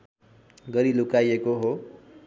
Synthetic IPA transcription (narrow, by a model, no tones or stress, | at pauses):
ɡʌɾilukajekoɦo